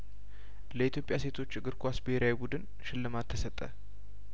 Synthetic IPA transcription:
ləit̪jo̞pʼjase̞t̪ʰo̞t͡ʃːɨɡɨɾkʰʷasbeheɾawibud̪ɨn | ʃɪlːɨmat̪ʰːəsət̪ʼːə̰

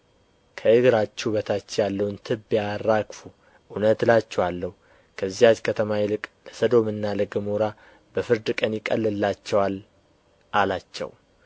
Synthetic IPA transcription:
kʰəɨɡɨɾat͡ʃːɛβət̪ʰat͡ʃːɛjalːəwɨnt̪ʰɨbːijarːakfu | ʔunət̪lat͡ʃːɛwalːəhu | kʰəzːihat͡ʃkʰət̪ʰəmajɪlɨkʼləsəd̪o̞mɨnːalɨɡɨmuɾa | bəfɨɾd̪ɨkʼənjɪkʼəlːɨlːat͡ʃːɛwal | ʔalat͡ʃːɛ̰w

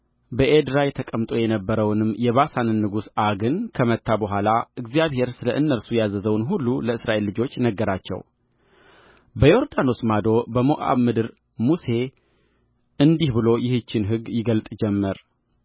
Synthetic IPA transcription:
bəʔed̪ɾajɛt̪ʰəkʼəmt̪ʼo̞jɛnəbːəɾəwnɨmjɛβasanɨnːɨɡusaɡɨnkʰəmət̪ʰːabəɦʷalaʔɨɡzijaβhe̞ɾsɨləʔɨnːəɾsujazəzəwnɦulːuləɨsɾʔaʔe̞lːɨd͡ʒo̞t͡ʃːnəɡːəɾat͡ʃːɛ̰w | bəjo̞ɾd̪ano̞smad̪o̞bəmoʔa̰βmɨd̪ɨɾ | muse̞ | ʔɨnd̪ihbɨlo̞jɪhɨt͡ʃːɪnɦɨɡjɪɡəlt̪ʼd͡ʒɛmːɨɾ

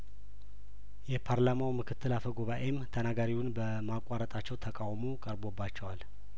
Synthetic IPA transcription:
jɛpʰaɾlamawmɨkʰɨt̪ʰːɨlafəɡoβaʔemt̪ʰənaɡaɾiwʊnbə | makʼːaɾət̪ʼat͡ʃːɛwt̪ʰəkʼawmokʼəɾbo̞bːat͡ʃːɛwal

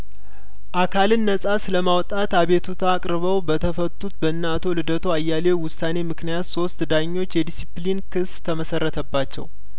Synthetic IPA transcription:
ʔakʰalɨnːəsʼasɨləmawt̪ʼat̪aβe̞t̪ʰut̪ʰaːkʼɾɨβəwbət̪ʰəfət̪ːut̪bəɨnːat̪ʰo̞lɨd̪ət̪ʰoajːale̞wʊsːane̞mɨknijat̪so̞st̪d̪aɲːo̞t͡ʃːjɛd̪isiplinkʰɨst̪ʰəməsərːət̪ʰəbːat͡ʃːɛ̰w

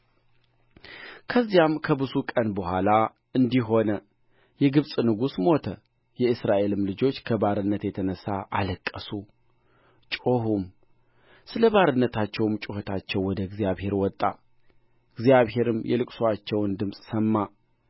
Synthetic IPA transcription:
kʰəzːijamkʰəbɨzukʼənbəhʷala | ɨnd̪iɦo̞nə | jɛɡɨβsʼnɨɡusmo̞t̪ʰə | jɛɨsɾaʔe̞lɨmlɨd͡ʒo̞t͡ʃːkʰəbaɾɨnːət̪jɛt̪ʰənəsa̰ʔaləkʼːəsu | t͡ʃʼoɦum | sɨləβaɾɨnːət̪ʰat͡ʃːɛwmt͡ʃʼohət̪ʰat͡ʃːɛwwɔd̪əɡzijaβhe̞ɾwɔt̪ʼːa | ɨɡzjaβhe̞ɾɨmjʔɛ̰lɨkʼsoat͡ʃːɛwɨnd̪ɨmsʼsəmːa

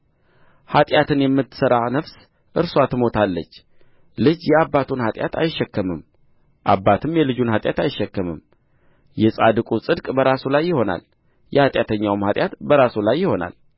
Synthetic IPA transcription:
hat̪ʼjat̪ʰɨnjɛmːɨt̪ːɨ̥səɾanəfs | ʔɨɾswat̪ʰɨmo̞t̪ʰalːət͡ʃː | lɨd͡ʒjɛabːat̪ʰunhat̪ʼja̰t̪ʰa̰jɪʃːɛkːəmɨm | ʔa̰bːat̪ʰɨmjɛlɨd͡ʒunhat̪ʼjat̪ajɪʃːɛkːəmɨm | jɛsʼad̪ɨkʼusʼɨd̪kʼbəɾasulajːɪho̞na̰l | jɛhat̪ʼjat̪ʰəɲːawɨmhat̪ʼjat̪bəɾasulajːɪho̞na̰l

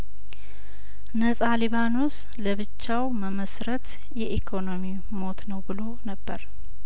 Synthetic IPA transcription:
nəsʼaliβanos | ləβɨt͡ʃːawməməsɾət̪ | jɛʔikʰo̞no̞mi | mo̞t̪nəwbɨlo̞nəbːəɾ

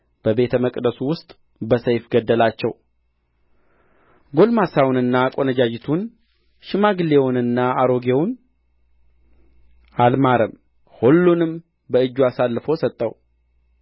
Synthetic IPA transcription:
b̥əbe̞t̪ʰəməkʼd̪əsuwʊst̪ʼ | bəsəjfɡəd̪ːəlat͡ʃːɛw | ɡo̞lmasawnɨnːakʼo̞nəd͡ʒad͡ʒɪt̪ʰun | ʃɪmaɡɨlewʊnɨnːaaɾo̞ɡewn | almaɾəm | holːunɨm | bəɨd͡ʒːuasalːɨfowsət̪ʼːəw

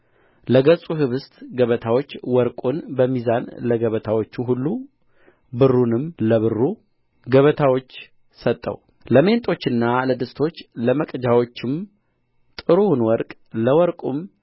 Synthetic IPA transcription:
ləɡəsʼuɦɨβɨst̪ɡəβət̪ʰawo̞t͡ʃːwɔɾkʼunbəmizanləɡəβət̪ʰawo̞t͡ʃːuɦulːu | bɨrːunɨmləβɨrːu | ɡəβət̪ʰawo̞t͡ʃː | sət̪ʼːə̰w | ləme̞nt̪ʼo̞t͡ʃːɨnːaləd̪ɨst̪ʰo̞t͡ʃːləməkʼd͡ʒawo̞t͡ʃːɪm | t̪ʼɨɾunwɔɾkʼ | ləwɔɾkʼum

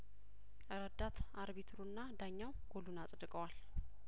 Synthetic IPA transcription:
ʔəɾəd̪at̪aɾβit̪ʰɾunːad̪aɲːawɡ̥olunasʼd̪ɨkʼəwal

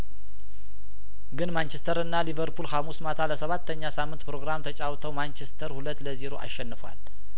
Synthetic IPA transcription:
ɡɨnmant͡ʃɛst̪ʰəɾɨnːalivəɾpʰulhamusmat̪ʰaləsəβat̪ʰːəɲːasamːɨnt̪pɾo̞ɡɾamt̪ʰət͡ʃʼawt̪ʰəwmant͡ʃɛst̪ʰəɾhulət̪ːləzeɾoʔa̰ʃːɛnːɨfwa̰l

